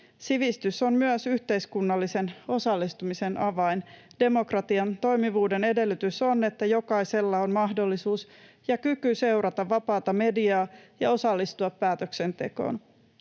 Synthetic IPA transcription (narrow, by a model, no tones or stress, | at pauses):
siʋist̪ysommyœsyht̪e̞iskunːɑlːise̞no̞sɑlːist̪umise̞nʔɑʋɑind̥e̞mo̞krɑt̪iɑnt̪o̞jmiʋuːde̞ne̞de̞lːyt̪yso̞nːe̞t̪ːæjo̞kɑise̞lːɑonmɑɦdolːisuːs | jɑkykyse̞wɾɑt̪ɑʋːɑpɑːt̪ɑme̞diɑːjɑo̞sɑlːist̪uɑpːæːt̪økse̞nt̪e̞̰ko̰ːn